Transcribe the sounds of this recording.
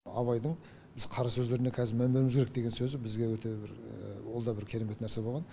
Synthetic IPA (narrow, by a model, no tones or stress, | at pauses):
ɑ̰βɑjd̪əɴ | bɪz̥qʰɑɾɑsɵzd̪e̞ɾɪne̞kʲʰæzɪɾmæmbeɾɪmɪzɡʲeɾek̚d̪e̞ɡʲensɵzɪbɪzɡʲe̞wɵt̪e̞bɪɾwo̞lˠd̪ɑbɪɾkʲʰe̞ɾe̞me̞t̪næɾse̞bo̞lˠʁɑn